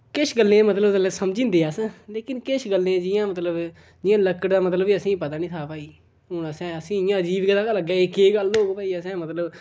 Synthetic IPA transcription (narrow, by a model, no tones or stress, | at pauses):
kɪʃɡəlːẽːmət̪ləblsəmd͡ʒĩːnd̪eːaːsə̃leːkɪnkɪʃɡəlːẽd͡ʒɪjãːmət̪ləb | d͡ʒɪjãːləkəʈd̪aːmət̪ləbiːəsĩːpət̪aːnĩːt̪ʰaːpaːiː | ɦoːɽ̃aːsɛ̃ːəsĩːɪjãːəd͡ʒiːʋkad̪aːkaləɡɛːeːkeːɡəlːoːɡopaːiːaːsɛ̃ːmət̪ləb